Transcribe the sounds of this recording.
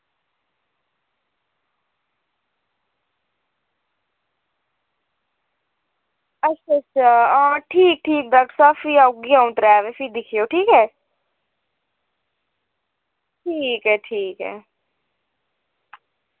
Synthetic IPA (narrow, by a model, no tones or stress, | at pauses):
ətːʃʰatʰaːãːʈʰiːk̚ʈʰiːk̚d̪əksaːfiːaɡiãʊ̃t̪ɾɛːʋefʰiːd̪ɪkʰijoːʈʰiːkɦɛː | ʈʰiːkɦɛːʈʰiːkɦɛ̰ː